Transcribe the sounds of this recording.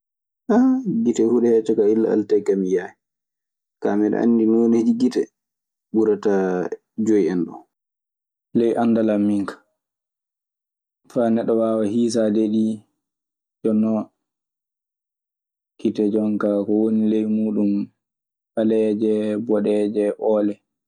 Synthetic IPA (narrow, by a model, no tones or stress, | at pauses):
ʔaɡitɛhuɗɛɛt͡ʃɔkailːa̰a̰ltajkamijajɛ | kamɛɗɛ̰ʔa̰nːdinoːned͡ʒiɡitɛ | ɓuɾata | d͡ʒojiɛnɗɔ̰ | lɛjʔandalamːiŋkḁ | fanɛɗɔwawahiːs̬adeɗi | d͡ʒɔnːɔ | kitɛd͡ʒɔŋkakɔwonilejmuːɗum | falɛd͡ʒɛbɔɗɛd͡ʒɛʔɔːlɛ